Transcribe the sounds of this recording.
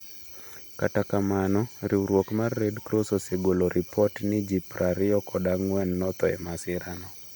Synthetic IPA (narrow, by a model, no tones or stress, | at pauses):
katakamanɔɾʔiɾwokmarːedkɾososeɡoloɾʔɪpɔtnɪd͡ʒipɾʔaɾɪɔkɔdaŋwɛnːɔt̪ɔɛ̰masɪɾanɔ